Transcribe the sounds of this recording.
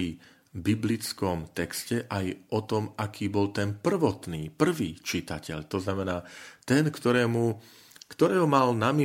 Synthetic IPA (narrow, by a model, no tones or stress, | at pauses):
i | biblit͡skɔmt̪ɛkscɛʔajʔɔt̪ɔmʔakʰiːbɔlt̪ɛnpr̩ʋɔt̪niːpr̩ʋiːt͡ʃit̪acɛ̰ʎt̪ɔznamɛnaːt̪ɛnkt̪ɔɾɛːmu | kt̪ɔɾɛːɦɔmalnami